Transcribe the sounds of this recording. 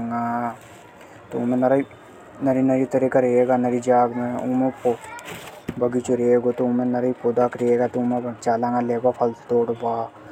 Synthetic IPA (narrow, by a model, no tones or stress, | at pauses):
ŋɡa | t̪oumẽnɐɾ | nɐɾinɐɾit̪ɐɾikaɾeeɡaːnɐɾid͡ʒaːɡmẽumepo | bɐɡit͡ʃuɾeːɡot̪oumẽnɐɾɐipod̪aːkɾeeɡat̪oumebɐt͡ʃaːlaŋɡaleːbapʰɐlt̪oːɽbaː